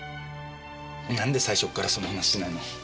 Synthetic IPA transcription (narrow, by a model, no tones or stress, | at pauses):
nãnd̪e̞saiɕo̞kːaɾaso̞nohanaɕi̥ɕinaino